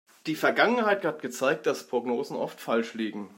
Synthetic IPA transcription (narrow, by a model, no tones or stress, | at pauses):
d̥iːfɛɐɡaŋənhaɪthatɡ̥ət͡saɪk̚t̚d̥aspʁ̥oɡnoːzn̩ʔɔftfalʃliːɡŋ̩